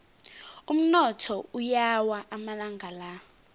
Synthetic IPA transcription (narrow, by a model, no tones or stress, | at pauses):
um̩nɔtʰɔujawaʔamalaŋʱala